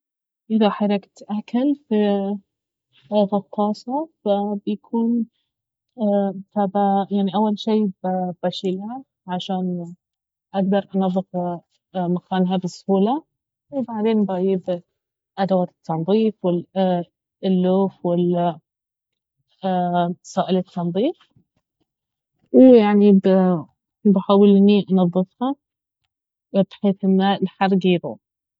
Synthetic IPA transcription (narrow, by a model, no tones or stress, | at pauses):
ʔɪðaħɑɾˤɑkt̪ʔakalfi | ɣɑqːɑːsˤɑfabjakʰuːn | tabajaʕniʔawːalʃiːbb̥aʃiːlha | ʕaʃaːn | ʔaɡd̪ɑɾˤʔɑnɑðˤːɨf | maxaːnɦabɨsˤhuːla | wɪbaʕd̪eːnbaːjɪb | ʔad̪awaːt̪ɪ̥t̪ːɑnðˤiːfwɪ | lːuːfwɪla | saːʔɪlɪt̪ʰːɑnðˤiːf | wjaʕnib | bħaːwɪlniʔɑnɑðˤːɨfha | bħeːθʔɪnːalħɑrˤɡiːbṵ